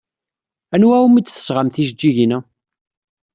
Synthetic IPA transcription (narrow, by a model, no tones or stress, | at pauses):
ænwæwumit͡sːθə̥sʁamθiʃd͡ʒːiʝinæ